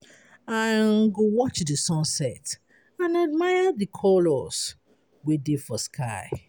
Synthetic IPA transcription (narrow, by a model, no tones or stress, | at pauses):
ãnɡowɔt͡ʃdisɔ̃nsɛt | ãnad̚majadikʰɔlɔs | wedefɔskʰaɪ